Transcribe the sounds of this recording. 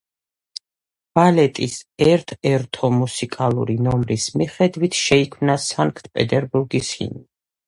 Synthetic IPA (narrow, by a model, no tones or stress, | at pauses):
b̥alɛt̪ʼisɛɾt̪ʰɛɾt̪ʰɔmusikʼalˠṵɾinɔmɾismiχɛd̪wit̪ʰʃɛikʰmnasaŋkʰt̪ʰpʼɛt̪ʼɛɾbuɾɡishḭni